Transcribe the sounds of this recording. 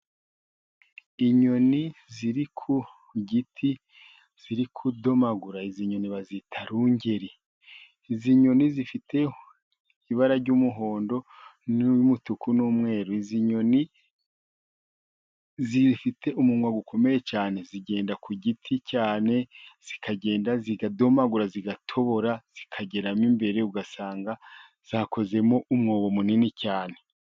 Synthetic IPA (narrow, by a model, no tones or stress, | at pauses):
iɲo̞niziɾikʰu | ɟitʰi | z̥iɾikʰudo̞maɡuɾaiziɲo̞niβazitʰaɾuɲɟe̞ɾi | iziɲo̞nizifitʰe̞ | iβaɾaɾɟuːmuɦo̞ːndo̞numutukunuːmŋe̞ːɾuiziɲo̞ni | zifitʰe̞ʔumumwaɡukʰo̞me̞jet͡ʃaːne̞ziɡe̞ːndakʰuɟitʰicaːne̞z̥ikʰaɟe̞ːndaziɡado̞maɡuɾaziɡatʰo̞βo̞ɾaz̥ikʰaɟe̞ɾamimbe̞ɾe̞uɡasaːŋɡa | z̥aːko̞ze̞mo̞ʔumŋoːβo̞muninicaːne